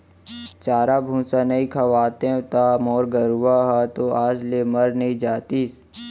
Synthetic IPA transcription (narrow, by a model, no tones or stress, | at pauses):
t͡ʃaːɾabʱũːsanɐĩkʰɐʋaːt̪ẽt̪amɔːɾɡəɾuʋaɦat̪oaːd͡ʒleməɾnɐɦĩd͡ʒaːt̪iːs